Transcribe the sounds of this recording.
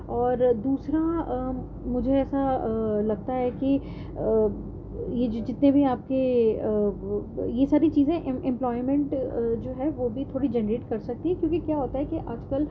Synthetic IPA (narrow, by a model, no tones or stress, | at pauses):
ɔːɾd̪uːsɾaə | mʊd͡ʒʱeɛːsalɐɡ̚t̪aɦɛki | ə | jed͡ʒod͡ʒɪt̪nebʱiaːp̚keə | jesaːɾit͡ʃiːzẽʔɪ̃ɪ̃mplɔːɪmɛ̃ɳʈd͡ʒoːɦɛʋoːbʱit̪ʰoːɽid͡ʒɛnəɾeːʈkɐɾsɐk̚t̪iɦɛ̃kjõːkikjaːɦoːt̪aɦɛkiʔaːd͡ʒkəl